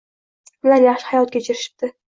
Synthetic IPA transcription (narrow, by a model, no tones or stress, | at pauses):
mʊlaɾjaχʃɪ̥hajɒlˠt̪kʲet͡ʃʰɪɾɪʃɪ̥p̚t̪ɪ